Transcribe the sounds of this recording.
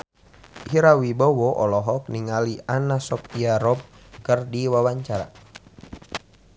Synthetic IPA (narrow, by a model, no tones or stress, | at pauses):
ʔiɾawibɔwɔʔɔlɔɦɔk̚niŋalianasɔp̚iaɾɔb̚ | kərdiwawaɲt͡ʃaɾa̰